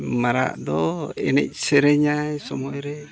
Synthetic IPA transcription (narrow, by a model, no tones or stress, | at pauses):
maɾa̰ʔd̪ɔɛ̰nɛ̰c̚sɛɾɛɲajsɔmɔjɾɛ